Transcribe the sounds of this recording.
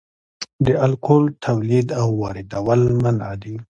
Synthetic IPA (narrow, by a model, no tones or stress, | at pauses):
d̪əalkolt̪ʰawlid̪awːɑɾɪd̪awəlmanad̪i